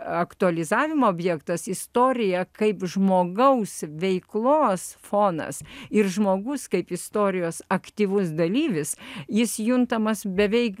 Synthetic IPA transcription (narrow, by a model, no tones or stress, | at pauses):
ɐkt̪ʊɐlʲɪzɑːʋʲɪmooːbʲjɛːkt̪ɐsɪst̪oːɾʲɪjɛkɐɪpʒmoːɡɐʊsʋʲɛɪklˠoːsfoːnɐ̰sɪrʒmoːɡʊskɐɪpɪst̪oːɾʲɪjoːsɐkt̪ʲiːʋʊsd̪ɐlʲiːʋʲɪsjɪsjʊnt̪ɐmɐsbʲɛʋʲɛɪk